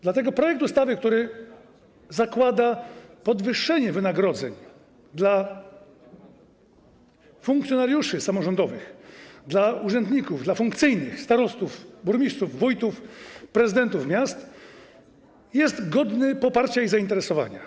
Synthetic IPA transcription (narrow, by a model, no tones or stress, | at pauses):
d̪lat̪ɛɡɔpɾɔjɛk̚t̪ust̪avɘkt̪uɾɘ | zakwad̪apɔd̪vɘʂːɛɲɛvɘnaɡɾɔd̪zɛ̰ɲ | d̪la | fuŋk̚t̪sjɔnaɾjuʂɘsamɔʐɔnd̪ɔvɘxd̪lauʐɛnd̪ɲikuvd̪lafuŋkt̪sɘjnɘxst̪aɾɔst̪ufbuɾmʲit̪suvːujt̪ufpɾɛzɨd̪ɛnt̪ufmʲjast̪ | jɛst̪ɡɔd̪nɘpɔpaɾt͡ɕaizaint̪ɛɾɛsɔva̰ɲa̰